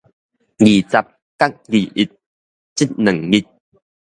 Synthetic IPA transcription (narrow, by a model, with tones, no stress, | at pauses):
ɡi˨˩t͡sa˧p̚ | ka˦˥k̚ɡi˨˩ʔi˨t̪̚ | t͡ɕi˦˥t̪̚nə˨˩ŋɡi˦˧t̪̚